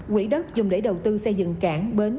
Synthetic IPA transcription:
kwḭ˧˥ɗə˦˥t̚zʊ˨˩ŋ͡mɗe˧˥jɗə˨˩wt̪ɨ˧sə˧jzɨ̰˧˨ŋkaː˧˩ŋɓe˨˦n

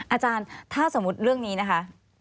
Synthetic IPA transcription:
ʔaː˧t͡ɕaː˧nt̪ʰaː˥˩so˩˦mu˦˥t̪̚ɾɯ˥˩əŋniː˦˥na˦˥kʰa˦˥

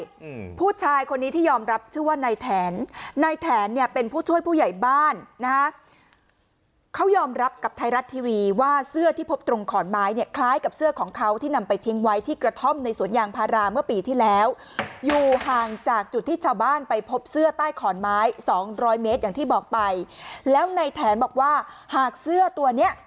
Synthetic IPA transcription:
pʰuː˥˩t͡ɕʰaː˧jkʰo˧nːi˦˥t̪iː˥˩jɔː˧mɾa˦˥p̚t͡ɕʰɯ˥˩waː˥˩na˧jt̪ʰɛː˩˦nːa˧jt̪ʰɛː˩˦nːi˥˩əpe˧npʰuː˥˩t͡ɕʰu˥˩əjpʰuː˥˩ja˨˩jbaː˥˩nːa˦˥kʰa˦˥ | kʰa˦˥wjɔː˧mɾa˦˥p̚ka˨˩p̚t̪ʰa˧jɾa˦˥t̪ʰːiː˧wiː˧waː˥˩sɯ˥˩ɐt̪ʰiː˥˩pʰo˦˥p̚t̪ɾo˧ŋkʰɔː˩˦nmaː˦˥jni˥˩ɐkʰlaː˦˥jka˨˩p̚sɯ˥˩ɐkʰɔː˩˦ŋkʰa˦˥wt̪ʰiː˥˩na˧mpa˧jt̪ʰi˦˥ŋwa˦˥jt̪ʰiː˥˩kɾa˧t̪ʰo˥˩mna˧jsu˨˩˦ənjaː˧ŋpʰaː˧ɾaː˧mɯ˥˩ɐpiː˧t̪ʰiː˥˩lɛː˦˥w | juː˨˩ɦaː˨˩ŋt͡ɕaː˨˩k̚t͡ɕu˨˩t̪ʰːiː˥˩t͡ɕʰaː˧wbaː˥˩npa˧jpʰo˦˥p̚sɯ˥˩ɐt̪aː˥˩jkʰɔː˩˦nmaː˦˥jsɔː˩˦ŋɾɔː˦˥jmeː˦˥t̪̚jaː˨˩ŋt̪ʰiː˥˩bɔː˨˩k̚pa˧jlɛː˦˥wna˧jt̪ʰɛː˩˦nbɔː˨˩k̚waː˥˩haː˨˩k̚sɯ˥˩ɐt̪u˧ɐni˦˥ɐ

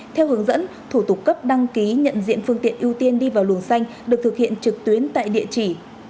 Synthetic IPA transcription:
t̪ʰɛ˧whɨ˨˦əŋzə̰˧˥n | t̪ʰu˧˩t̪ʊ˨˩k͡p̚kə˦˥p̚ɗa˧ŋki˨˦ɲə̰˧˨nzḭ˧˨ənfɨ˧əŋt̪ḭ˧˨ənʔi˧əwt̪i˧ənɗi˧vaː˨˩wlu˨˩ənsa˧jŋ̟ɗɨ˨˩k̚t̪ʰɨ˨˩k̚hḭ˧˨ənt͡ɕɨ˨˩k̚t̪wi˨˦ənt̪a̰ː˧˨jɗḭ˧˨ət͡ɕi˧˩

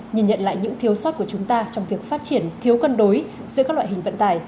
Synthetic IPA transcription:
ɲi˨˩nɲə̰˧˨nla̰ː˧˨jɲɨ̰˧˥ŋt̪ʰi˨˦əwsɔ˦˥t̚ku˧˩ət͡ɕʊ˨˦ŋ͡mt̪aː˧t͡ɕɔ˧wŋ͡mvi˨˩ək̚faː˦˥t̚t͡ɕi˧˩ənt̪ʰi˨˦əwkə˧nɗo˨˦j | zɨ̰˧˥kaː˦˥lw̰aː˧˨˩hï˨˩ŋ̟və̰˧˨nt̪aː˧˩j

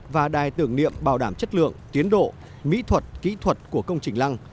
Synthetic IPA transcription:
vaː˨˩ɗaː˨˩jt̪ɨ˨˧˩əŋnḭ˧˨əmɓaː˨˩wɗaː˧˩mt͡ɕə˦˥t̚lɨ̰˧˨əŋt̪i˨˦ənɗo̰˧˨ | mḭ˧˥t̪ʰwə˨˩t̚kḭ˧˥t̪ʰwə˨˩t̚ku˧˩əkə˧wŋ͡mt͡ɕï˨˩ŋ̟la˧ŋ

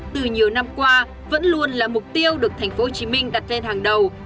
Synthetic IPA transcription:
t̪ɨ˨˩ɲi˨˩əwna˧mkwaː˧ | və̰˧˥nlu˧ənlaː˨˩mʊ˨˩k͡p̚t̪i˧əwɗɨ˨˩ək̚t̪ʰɛ˨˩jŋ̟fo˨˦ho˨˩t͡ɕi˨˦mï˧ŋ̟ɗa˨˩t̚le˧nhaː˨˩ŋɗə˨˩w

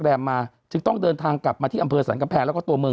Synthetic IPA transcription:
ɾɛː˧mːaː˧ | t͡ɕɯ˧˩ŋt̪ɔ˥˩ŋdɤː˧nt̪ʰaː˧ŋkla˨˩p̚maː˧t̪ʰiː˥˩ʔmpʰɤː˧sa̰ː˩˦nka˧mpʰɛː˧ŋlɛ˦˥kɔ˥˩t̪u˧ɐmɯ˧

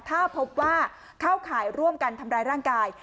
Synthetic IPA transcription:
t̪ʰaː˥˩pʰo˦˥p̚waː˥˩ | kʰa˥˩wkʰaː˩˦jɾu˥˩əmka˧nt̪ʰa˧mɾaː˧jɾaː˥˩ŋkaː˧j

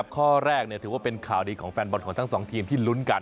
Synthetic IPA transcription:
p̚kʰɔː˥˩ɾɛː˥˩k̚ni˥˩t̪ʰɯː˩˦waː˥˩pe˧nkʰaː˨˩wdiː˧kʰɔː˩˦ŋfɛː˧nbɔ˨˩t̚kʰɔː˩˦ŋt̪a˥ŋsɔː˩˦ŋt̪ʰiː˧mt̪ʰiː˥˩lu˦˥nka˧n

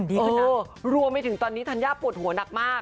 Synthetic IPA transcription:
ni˦˥ʔɤː˧ | ɾu˧əmːa˧jt̪ʰɯ˩˦ŋt̪ɔː˧nːiː˦˥t̪ʰa˧njaː˥˩pːu˨˩ət̪̚hu˩˦ɐna˨˩k̚maː˥˩k

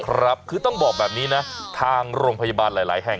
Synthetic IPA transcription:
kʰɾa˦˥p̚kʰɯː˧t̪ɔ˥˩ŋbɔː˨˩k̚bɛː˨˩p̚niː˦˥na˦˥t̪ʰaː˧ŋɾoː˧ŋpʰa˧jaː˧baː˧nlaː˩˦jla̰ː˩˦jɦɛ˨˩

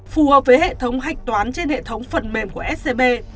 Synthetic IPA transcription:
fu˨˩həː˨˩p̚vəː˨˦jhḛ˧˨t̪ʰə˨˦wŋ͡mɦa˨˩jk̚t̪waː˨˦nt͡ɕe˧nhḛ˧˨t̪ʰə˨˦wŋ͡mfə˨˩nme˨˩mku˧˩əʔɛ˦˥se˧ɓe˧

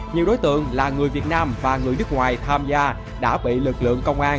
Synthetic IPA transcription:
ɲi˨˩wɗo˨˦jt̪ɨ̰˧˨əŋlaː˨˩ŋɨ˨˩əjvi˨˩ət̚naː˧mvaː˨˩ŋɨ˨˩əjnɨ˦˥k̚ŋwaː˨˩jt̪ʰaː˧mzaː˧ | ɗa̰ː˧˥ɓḭ˧˨lɨ˨˩k̚lɨ̰˧˨əŋkə˧wŋ͡mʔaː˧n

